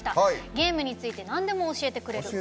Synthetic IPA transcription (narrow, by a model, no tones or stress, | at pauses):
i̥t̪aɡʲe̞ːmɯ̟ɲ̟it͡sɨit̪e̞nãnd̪e̞mo̞ːɕie̞t̪e̞kɯ̟ɾe̞ɯ